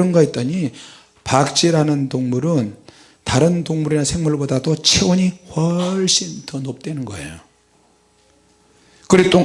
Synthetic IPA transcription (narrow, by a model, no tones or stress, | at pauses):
ʌnɡʌit͈̚ʌɲi | pak̚t͡ɕ͈iɾanɯntoŋmuɾɯn | taɾɯntoŋmuɾinasʰe̞ŋmuɭbodadot͡ɕʰeoɲiɸwʌɭɕ͈intʌnop̚t͈we̞nɯnɡʌḛjo | kɯɾit͈o